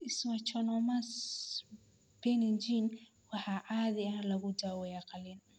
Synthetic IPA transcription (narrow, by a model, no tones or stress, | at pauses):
iswat͡ʃɔnɔmas | b̥ɛnind͡ʒin | wahaʔaðialaɣudawɔjakalin